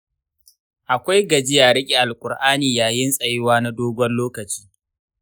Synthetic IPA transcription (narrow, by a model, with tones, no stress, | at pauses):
ʔa˨kʷa˦jɡɐ˨d͡ʒɪ˦jaː˨ɾɪ˦kʲʼi˨ʔa˨lkʷʼʊ˨ɾʔaː˦niː˨jaː˨jɪ˦nsʼɐ˨jɪ˦waː˦na˦doː˦ɡʷɔ˦nloː˦kɐ˨t͡ʃi̥ː˦